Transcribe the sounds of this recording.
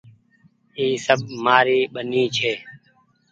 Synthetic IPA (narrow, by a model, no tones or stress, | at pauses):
iːsəbmaːɾiːɓəniːt͡ʃʰeː